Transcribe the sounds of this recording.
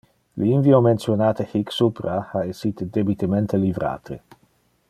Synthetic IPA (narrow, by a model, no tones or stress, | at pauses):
linviomensjonaːt̪exiksupɾaaesit̪ed̪ebit̪ement̪elivɾa̰ːt̪ʰḛ